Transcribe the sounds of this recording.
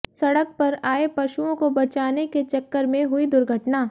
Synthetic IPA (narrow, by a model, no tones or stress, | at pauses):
sɐɽək̚pɐɾaːepɐʃuõkobɐt͡ʃaːneket͡ʃɐkːəɾmẽɦʊid̪ʊɾɡʱəʈnaː